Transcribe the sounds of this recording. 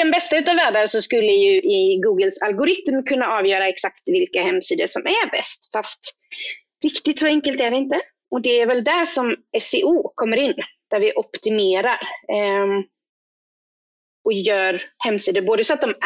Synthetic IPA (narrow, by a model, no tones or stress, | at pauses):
d̪̥ɛnbɛst̪aʉ̟ːt̪avæːɖaɾsɔskɵlːəjɵʔɪɡuːɡəlsalɡʊɾɪt̪mkʰɵnːaɑːvjœːɾaɛksakt̪vɪlkahɛmːsiːd̪əʂɔmʔæɾbɛ̰st̪fast̪ | ɾɪkt̪ɪt̪sɔɛŋkəlt̪æɖɛɪnt̪ə | ɔd̪ɛæɾvɛld̪æʂɔmɛsɪʔuːkʰɔmːəɾɪnːd̪̥æɾvɪʔɔpt̪ɪmeːɾaɾ | ɔjœːɾhɛmːsiːd̪əɾboːd̪əsɔat̪̚d̪ɔm